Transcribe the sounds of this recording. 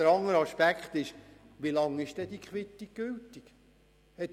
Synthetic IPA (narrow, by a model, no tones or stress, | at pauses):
əɾɑŋəɾɑʃpækχt̪ɪʃ | ʋilɑŋɪʃd̥ɛd̥ikχʋɪt̪ːiɡ̥ʉltik | hɛt